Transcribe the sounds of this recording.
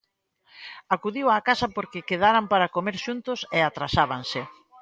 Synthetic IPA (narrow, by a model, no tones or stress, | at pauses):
akuðiwakasɐpoɾkɪkeð̞aɾampaɾakomeɾʃunt̪ʊseat̪ɾasaβaŋsɪ